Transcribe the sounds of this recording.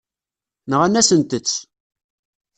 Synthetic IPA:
nəʁænæsənt̪ət͡sː

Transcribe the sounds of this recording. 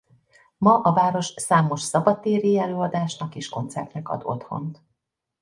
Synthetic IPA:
mɒʔɒvaːɾo̞ʃsaːmo̞ʃsɒbɒt̪ːeːɾiɛløːɒd̪aːʃnɒkeʃko̞nt̪sɛ̰rt̪nɛkɒ̰d̪o̞̰t̪ho̞̰nt̪

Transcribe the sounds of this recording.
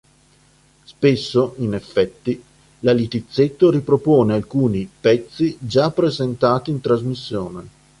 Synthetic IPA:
spesːoʔinefːɛt̪ːi | lalit̪it̪sːet̪ːoɾipɾopoːnealkuːnipɛt̪sːid͡ʒapːɾezent̪aːt̪iːnt̪ɾazmisːjoːne

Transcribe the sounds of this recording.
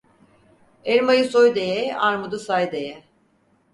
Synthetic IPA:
eɾmajɯsojd̪ejɛaɾmud̪usajd̪ejɛ

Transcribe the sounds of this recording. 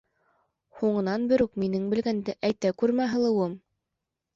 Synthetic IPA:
huɴɤ̆nɑnbɘ̆ɾʉkminɘŋbɘ̆lɡænd̪ɘʔæjt̪ækʉɾmæɦɤ̆lˠɤ̆wɤm

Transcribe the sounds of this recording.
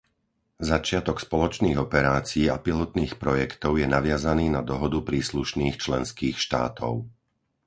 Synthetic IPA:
zat͡ʃɪat̪ɔkspɔlɔt͡ʃniːɣɔpɛɾaːt͡siiːa̰pilɔt̪niːxpɾɔjɛkt̪ɔʊjɛnaʋɪazaniːnad̪ɔɦɔd̪upɾiːsluʃniːxt͡ʃlɛnskiːxʃt̪a̰ːt̪ɔ̰ʊ

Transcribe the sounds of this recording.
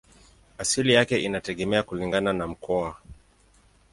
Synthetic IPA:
asilijakɛʔinatɛɠɛmɛakuliŋɡananam̩kʰɔa

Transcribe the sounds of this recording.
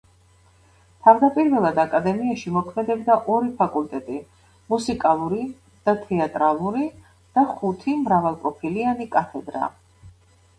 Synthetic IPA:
t̪ʰavd̪apʼiɾvɛlˠad̪akʼad̪ɛmiaʃimɔkʰmɛd̪ɛbd̪aʔɔɾipʰakʼult̪ʼɛt̪ʼi | musikʼalˠuɾi | d̪̥at̪ʰɛat̪ʼɾalˠuɾi | d̪̥aχut̪ʰimɾavalˠkʼɔpʰilianikʼat̪ʰɛd̪ɾa̰

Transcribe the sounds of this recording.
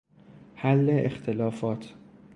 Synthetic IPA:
hælːeʔext̪ʰelɒːfɒːt̪ʰ

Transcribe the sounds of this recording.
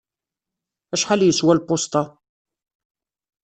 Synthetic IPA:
æʃħaljəswælpːost̪ˤɑ

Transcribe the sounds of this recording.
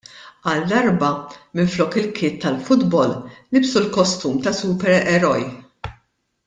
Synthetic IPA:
ɐld̪ɐɾbɐmɪnflɔːkɪlkʰɪːt̪ːɐlfʊd̪bɔlnɪbsulkɔst̪uːmt̪ɐsuːpɛɾɛɾɔj

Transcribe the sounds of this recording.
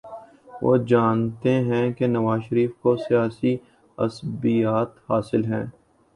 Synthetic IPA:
ʋo̰ːd͡ʒaːnt̪eɦɛ̃kenɐʋaːzʃəɾiːfkosijaːsi | ɐ̰sbijaːt̪haːsɪlɦɛ̰̃ː

